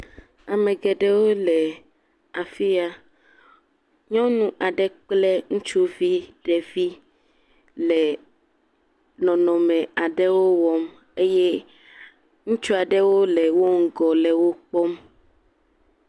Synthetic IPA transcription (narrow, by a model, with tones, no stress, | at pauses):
a˨mɛ̃˨ɡɛ˨ɖɛ˦wo˦lɛ˨ | a˨fi˦a˦ | ɲɔ̃˦nũ˦ʔa˨ɖɛ˦k͡plɛ˦ŋũ˦t͡ʃu˦vi˦ɖɛ˨vi˦ | lɛ˨ | nɔ̃˨nɔ̃˨mɛ̃˨a˨ɖɛ˦wo˦wɔ˦m | e˦je˦ | ŋũ˦t͡ʃu˦a˨ɖɛ˦wo˦lɛ˨wo˦ŋ̩˦ɡɔ˨lɛ˨wo˦k͡pɔ˦m